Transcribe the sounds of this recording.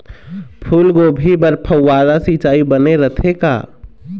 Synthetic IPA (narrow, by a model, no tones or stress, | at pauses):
pʰulɡobʱibəɾpʰəːad̪asit͡ʃaːibəneɾət̪ʰeka̰